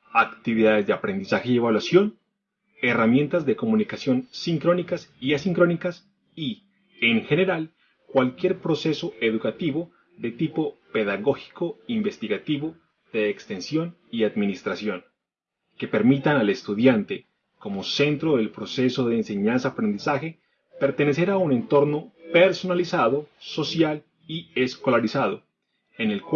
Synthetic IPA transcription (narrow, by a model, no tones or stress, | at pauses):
akt̪iβiðaðe̞zðe̞apɾe̞nd̪isaxeie̞βalwasjo̞n | e̞ramje̞nt̪azðe̞ko̞mũnikasjo̞nsiŋkɾo̞nikasiasiŋkɾo̞nikas | i | eŋxe̞ne̞ɾal | kwalkje̞ɾpɾo̞se̞so̞e̞ðukat̪iβo̞ | ðe̞t̪ipo̞pe̞ðaɣo̞xi̥ko̞imbe̞st̪iɣat̪iβo̞ | ðe̞ːkst̪e̞nsjo̞n | iaðminist̪ɾasjo̞n | ke̞pe̞ɾmit̪anale̞st̪uðjant̪e̞ | ko̞mo̞se̞nt̪ɾoðe̞lpɾo̞se̞so̞ðe̞ːnse̞ɲansaːpɾe̞nd̪isaxe̞ | pe̞ɾt̪e̞ne̞se̞ɾaune̞nt̪o̞ɾno̞pe̞ɾso̞nalisaðo̞so̞sjal | iesko̞laɾisað̞o̞ | ene̞lk